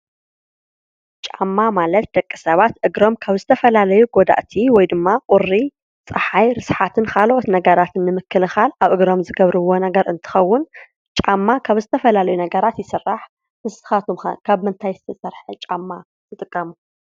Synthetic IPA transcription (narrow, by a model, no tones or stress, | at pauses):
t͡ʃʼamːamalɐt̪̚d̪ɐkʼːɨsɐβat̪ʔɨɡɾo̞mkʰaβzɨt̪ʰɐfɐlalɐjuɡod̪a̰ʔt̪ʰiwɔjd̪ɨmːaqʼʊrːi | t͡sʼɐħajɾɨsħat̪ʰɨnkʰalʔot̪nɐɡɐɾat̪ʰɨnːɨmɨkːɨlɨxalʔaβʔɨɡɾo̞mzɨɡɐβɾɨwo̞nɐɡɐɾɨnt̪ʰɨ̥xɐwːʊn | t͡ʃʼamːakʰaβzɨt̪ʰɐfɐlalɐjunɐɡɐɾat̪jɪsɨrːaħ | ɨsɨxat̪ʰum̰kʰaβmɨnt̪ʰajzɨt̪ʰɐsɐɾħɨt͡ʃʼamːa | t̪ʰɨt̪ʼɨkʼːɐmu